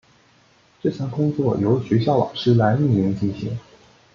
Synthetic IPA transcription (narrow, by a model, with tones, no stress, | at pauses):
ʈ͡ʂɤ˥˧˩ɕja˥˩ŋkʊ˥ŋt͡swɔ˥˩jo˧˥ʊɕɥɛ˧˥ɕjɑ˥˩ʊlɑ̰˨˩ʊʂɻ̩˥la˧˥ɪi˥˩li˧˥ŋt͡ɕi˥˩nɕḭ˧˥˦ŋ